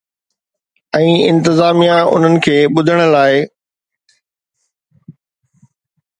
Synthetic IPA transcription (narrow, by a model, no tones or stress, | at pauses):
ɛ̃ːɪ̃nt̪ɪzaːmijãʊ̰n̤ənɪ̆kʰeːɓʊd̪ʱəɽ̃ə̆laːɪ